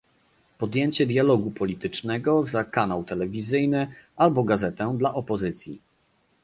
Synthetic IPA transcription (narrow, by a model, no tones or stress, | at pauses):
pɔd̪jeɲt͡ɕɛd̪jalɔɡupɔlʲit̪ɘt͡ʂnɛɡɔzakanawt̪ɛlɛvʲizɘjnɘʔalbɔɡazɛt̪ɛd̪laʔɔpɔzɘt̪sʲjḭ